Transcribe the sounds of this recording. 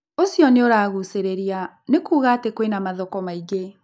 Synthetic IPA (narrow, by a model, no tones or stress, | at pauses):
osjɔneoɾaːɣuseɾeɾia | nekuːɣaːtekwenamaðɔkɔmaiɡe